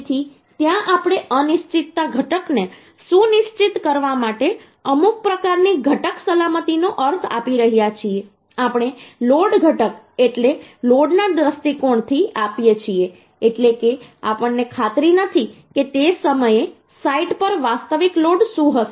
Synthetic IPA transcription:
t̪ʰi | t̪jãʔapɽ̃eʔənɪʃt͡ʃit̪ːaɡʱəʈəkne | sũnɪʃt͡ʃit̪kəɾʋamaʈe | əmuk̚pɾəkaɾniɡʱəʈəksəlamət̪inoʔəɾt̪ʰa̰piɾəɦjat͡ʃʰie | apɽ̃eloɖɡʱəʈək̚ | eʈleloɖnad̪ɾəst̪ikoɳt̪ʰiapjet͡ʃʰieː | ʈlekea̰pəɳːekʰat̪ɾinət̪ʰi | ket̪esəməje | saiʈpəɾʋast̪əʋikloɖsũɦəʃ

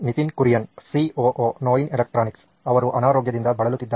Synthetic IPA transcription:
nit̪inkuɾjɐnsioːʔoːnoːjinelek̚ʈɾaːniks | ɐʋɐɾuʔɐnaːɾoːɡjɐd̪ind̪ɐbɐɭɐlut̪ːid̪ː

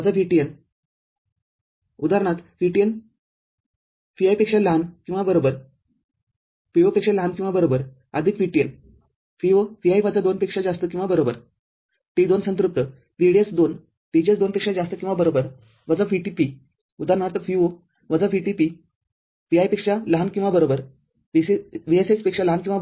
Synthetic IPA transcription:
ʋəd͡zafiʈijen | ud̪aɾɳ̃at̪fiʈien | fiajpekʂalankĩw̃ʋabəɾobəɾ | fiʋəpekʂalankĩw̃ʋabəɾobəɾ | əd̪ʱikʋiʈien | fiʋəfiajʋad͡zad̪onpekʂad͡zast̪ək̬ĩw̃ʋabəɾobəɾ | t̪id̪onsənt̪ɾup̚t̪ə | ʋiɽiet͡sd̪on | t̪id͡ʑet͡sd̪onpekʂad͡zast̪əkĩw̃ʋabəɾobəɾ | ʋəd͡zafiʈipi | ud̪ʱanaɾt̪əfiʋo | ʋəd͡zafiʈipi | ʋiajpekʂaləɦankĩw̃ʋabəɾobəɾ | ʋiseʋieset͡spekʂaləɦankĩʋa

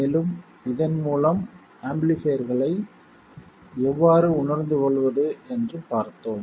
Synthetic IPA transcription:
eːlɯm | ɪðɐnmuːlɐm | aːmblifeːɾɣɐɭɐɪ | ɛʋːaːɾɯʊɳɐɾnd̪ɯkɔɭʋɐðɯɛndrɯpaːɾt̪ːoːm

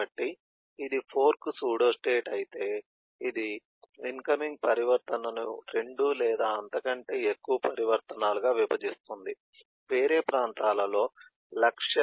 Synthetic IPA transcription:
ɐʈːiː | d̪ipʰo̞ːɾksuːɽo̞ːsʈe̞ːʈɐjit̪e̞ː | id̪i | inkɐmiŋɡ̚pɐɾiʋɐɾt̪ɐnɐnuɾe̞ɳɖulɛːd̪aːɐnt̪ɐkɐɳʈe̞ːekːuʋɐpɐɾiʋɐɾt̪ɐnaːluɡaːʋipɐd͡ʒist̪und̪i | ʋe̞ːɾe̞ːpɾaːnt̪aːlɐlo̞ː | lɐkʂɐ

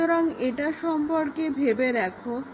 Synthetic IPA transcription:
oɾaŋeʈaʃɔmpoɾkebʱebeɾɛkʰo

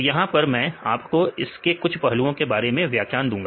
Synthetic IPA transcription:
jɐɦãpɐɾmɛ̃ːa̰ːpkoɪskekʊt͡ʃʰpɐɦluõkebaːɾemẽʋjaːkjaːnd̪ũːŋɡaː

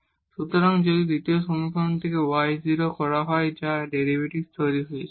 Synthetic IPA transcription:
ʃut̪oɾaŋd͡ʑod̪id̪it̪ioʃomikʰont̪ʰekewajziɾokɔɾaɦɔed͡ʑaɖeɾibʱeʈist̪oɾiɦojt͡ɕʰ

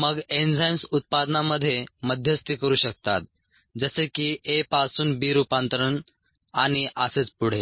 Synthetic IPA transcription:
məɡend͡zajnsut̪̚pad̪naməd̪ʱːjeməd̪ʱjəst̪iːkəɾuːɕək̚t̪at̪̚ | d͡zəsekiːʔepasuːnbiːɾupãnt̪əɾəɳ | aɽ̃iʔəset͡spuɽ̤e

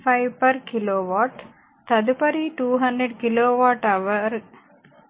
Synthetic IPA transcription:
pʰɐjʋpɐɾkiloːʋaːʈ | t̪ɐd̪upɐɾiʈuːɦɐndɾeɖkiloːʋaːʈɐʋɐɾ

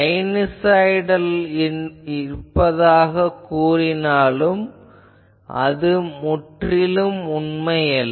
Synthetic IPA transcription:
ɐɪnɪsɐjɪɽɐl | ɪɾpːɐðaːɣɐkːuːrɪnaːlɯm | ʔɐ̰ðɯmʊʈrɪlɯmʊnmɐjɐl

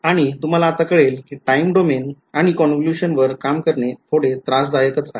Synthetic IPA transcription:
aɽ̃it̪um̤alaːt̪akəɭelkiʈaimɖomen | aɽ̃ikɔnkluɕənʋəɾkamkəɾɳet̪ʰoɽet̪ɾasd̪ajəkət͡sa

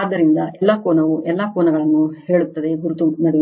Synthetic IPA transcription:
aːd̪ːɐɾind̪ɐʔɛlːakoːnɐʋuʔɛlːakoːnɐɡɐɭɐnːuhe̞ːɭut̪ːɐd̪e̞ɡuɾut̪unɐɽe

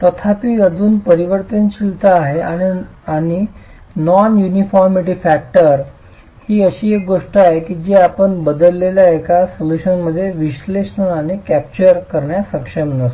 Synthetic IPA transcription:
t̪ət̪ʰapiːəd͡zuːnpəɾiʋəɾt̪ənɕilt̪əaɦeãiaɽ̃i | nɔnjunifɔɾmiʈ̬iːfæk̚ʈəɾ | hiːəɕiːek̚ɡoʂʈəaɦekiːd͡ʑiːapəɳbəd̪əlːeljaekasoluɕənməd̪ʱːjeʋiɕleɕnəañikæp̚t͡ɕəɾkəɾɳjasəkʂəmnəst̪o

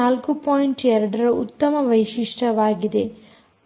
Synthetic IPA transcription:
aːlkupoːjiɳʈɛɾɐɽɐɾɐut̪ːɐmɐʋɐjʃiʂʈɐʋaːɡid̪e̞

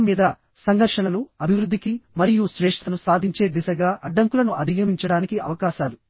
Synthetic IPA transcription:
mːiːd̪ɐ | sɐŋɡʱɐɾʂɐnɐnuɐbʱiʋɾud̪ʱːikimɐɾijuʃɾeːʂʈʰɐnusaːd̪ʱiɲt͡ʃe̞ːd̪isɐɡaːʔɐɖːɐŋkulɐnuʔɐd̪ʱijɐmiɲt͡ʃɐɽaːnikiɐ̰ʋɐkaːʃaːlu

